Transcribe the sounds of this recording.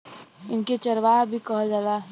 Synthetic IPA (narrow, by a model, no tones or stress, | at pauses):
ɪnket͡ʃəɾʋaɦbʱikəɦd͡ʒaːla